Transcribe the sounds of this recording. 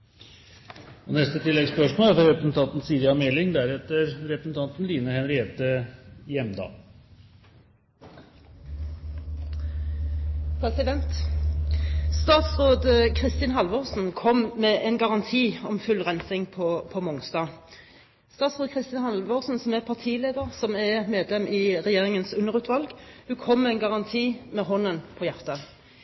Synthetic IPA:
ɔnɛst̪ət̪ʰɪlːɛɡspœʂmoːlæfɾɔɾʋɛpɾəsn̩t̪ʰɑnt̪n̩siːd̪əɑmɛlːɪŋd̪æɾɛt̪ːəɾɾɛpɾəsn̩t̪ʰɑnt̪n̩liːnəhɛnɾɪeːt̪əjɛmd̪ɑ̰ː | pʰɾɛsɪd̪ɛnt̪ | st̪ɑːt̪sʁoːd̪əkʰʁɪst̪ɪnhɑlʋoːʁsn̩kʰɔmmɛʔɛnɡɑʁɑnt̪ʰiːɔmfʉlʁɛnsɪŋpʰɔpʰɔmɔŋst̪ɑː | st̪ɑːt̪sʁoːd̪̚kʰʁɪst̪ɪnhɑlʋosn̩sɔmɛʁpʰɑʁt̪ʰiːleːd̪əʁsɔmɛmeːd̪lɛmʔɪːʁɛjeːʁɪŋənsʉnːəʁʉːt̪ʰʋɑlɡhʉːkʰɔmːɛɪnɡɑʁɑnt̪ʰiːmɛɦɔnənpʰɔːjæʁt̪ɑ

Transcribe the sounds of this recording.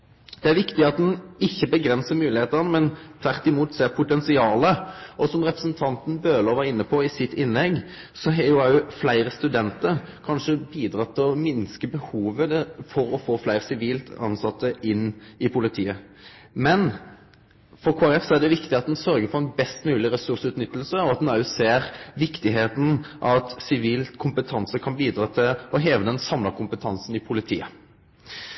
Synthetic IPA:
d̪̥ɛæɾʋɪkt̪ɪɑt̪̚d̪ɛnɪçːəbəɡɾɛnsəmʉːlɪheːt̪əʁnəmɛnt̪ʰʋæʁt̪ɪmuːt̪seːʁpʰʊt̪ɛnsɪɑːləʔɔsɔmʁɛpɾəsn̩t̪ʰɑnt̪n̩bøːlɔʋɑɾɪnːəpʰɔɪsɪt̪ːɪnlɛɡː | sɔɦɛːjʊɑʉflæɪɾəst̪ʉd̪ɛnt̪əɾkʰɑnʂəbiːd̪ɾɑt̪ʰːɪlɔmɪnskəbəhuːʋəd̪ɛfɔɾɔfoːflæɪʁsɪʋiːlt̪ʰɑ̰nsɑt̪ːəʔɪnːɪpʰʊlɪt̪ʰiːəmɛn | fɔɾkʰuːæʁɛfsɔæɖ̪ɛʋɪkt̪ɪɑt̪̚d̪ɛnsœɾɡəfɔɾɛnbɛst̪mʉːlɪɾɛsʉʁsʉːt̪nʏt̪ːlsəɔɑt̪̚ɑʉseːɾʋɪkt̪ɪɦeːt̪n̩ʔɑ̰t̪sɪʋiːlkʰʊmpət̪ʰɑnsəkʰɑnbiːd̪ɾɑːt̪ʰɪlɔɦeːʋəd̪ɛnsɑmlɑkʰʊmpət̪ʰɑnsnɪpʰʊlɪt̪ʰḭːə

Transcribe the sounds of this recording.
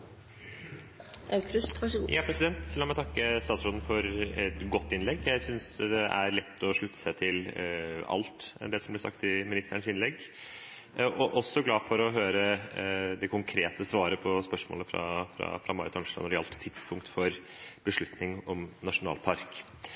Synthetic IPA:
kɾʉsʂjʔɑːpʰɾɛsɪd̪ɛnt̪lɑːmæɪt̪ʰɑkːəst̪ɑːt̪sɾoːd̪n̩fɔɾɛt̪ɡɔt̪ːɪnlɛɡjæɪsʏnsd̪ɛʔæɾɭɛt̪ʰːɔʂɭʉt̪ʰːə̥sæɪt̪ʰɪlɑ̰lt̪ɛ̰nd̪ɛsɔmblɛsɑ̰kt̪ɪmɪnɪst̪əɳsɪnlɛɡː | ʔɔʔɔsːɔɡlɑːfɔɾɔɦøːɾəd̪ɛkʰʊŋkʰɾeːt̪əsʋɑːɾəpʰɔspœʂmo̰ːləfɾɑ̰fɾɑ̰fɾɑ̰mɑɾət̪ʰɑnʂlɑ̰nɔɾɛɑ̰lt̪t̪ʰːɪd̪spʰʊŋk̚t̪fɔɾ | b̥əʂɭʉt̪nɪŋɔmnɑʂʊnɑ̰ːlpʰɑɾk

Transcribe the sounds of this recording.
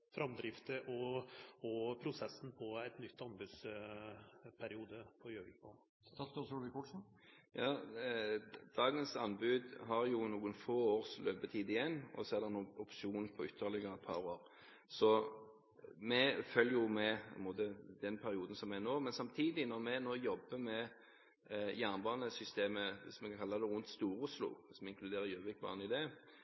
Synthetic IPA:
fɾɑmd̪ɾɪft̪əʔɔɔpʰɾʊsɛsːn̩pʰɔɛt̪nʏt̪ːɑnbʉːd̪s | pʰæɾɪuːd̪əpʰɔjøːʋɪpʰo | t̪ʰɑsd̪oːsjuːɖəʋɪkʰɔʈːsɔ | jɑː | d̪̥ɑːɡənsɑnbʉːd̪ɦɑɾjʊnuːɡənfoːoːɾslʔøːpət̪ʰiːd̪ɪjɛnːɔ̰sɔɛʁd̪ɛɾnuːɔpʂɪuːnpʰɔʏt̪ʰːəlɪɡəɾɛt̪̚pʰɑ̰ɾoːɾ | sɔ | mɛfœljjʊmɛmoːd̪əd̪ɛnpʰæɾɪuːd̪n̩sɔmːɛɛnoːmɛnsɑmt̪ʰiːd̪ɪnɔɾmɛnoːjɔbːəmɛ | jæʁnbɑːnəsʏst̪eːməʋɪsmɛkʰɑkʰɑlːɑd̪ɛɾʁʊnt̪st̪uːɾʊslʊ̰sɔmɪŋkʰlʉd̪eːɾəɾjøːʋɪkbɑ̰ːnəɪd̪eː

